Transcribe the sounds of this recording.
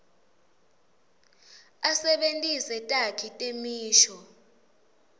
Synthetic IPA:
asɛɓentʼisɛtʼakʰitʼemiːʃɔ

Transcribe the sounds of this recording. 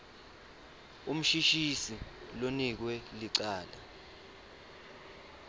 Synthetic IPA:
um̩ʃiʃisilonik̬wɛliǀaːla̰

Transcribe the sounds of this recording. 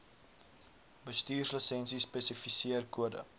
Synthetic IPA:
bəstiːrsləsɛnsisːpɛsifisiərkuədə̰

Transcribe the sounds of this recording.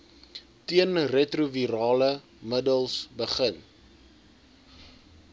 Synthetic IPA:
tiənrɛtruviɾɑːlə | mədəlˠsbəχən

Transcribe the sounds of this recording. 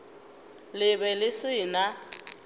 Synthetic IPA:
lɪbɛlɪsɪːna

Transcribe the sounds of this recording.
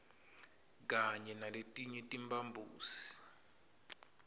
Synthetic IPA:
k̬ʼaɲɛnaletʼiɲɛtʼimbʱʼambʱuːsi̥

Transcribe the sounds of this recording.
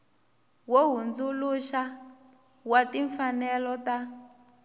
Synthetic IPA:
woɦund͡zuluʃa | watiɱfanɛlɔta

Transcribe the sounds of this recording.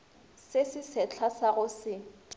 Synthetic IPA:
sesɪsɛt͡ɬʰasaɣʊsɪ

